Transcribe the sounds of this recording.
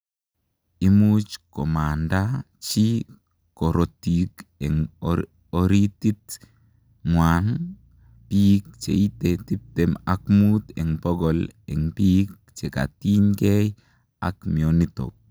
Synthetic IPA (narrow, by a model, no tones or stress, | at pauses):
imut͡ʃkomanda | t͡ʃi | koɾotikɛŋ | oɾitit̪ | ŋwan | pik̚t͡ʃḛitetip̚temakmut̪ɛŋbɔɡɔlɛŋpik̚ | t͡ʃeka̰tiŋɡej | a̰kmionito̰k̚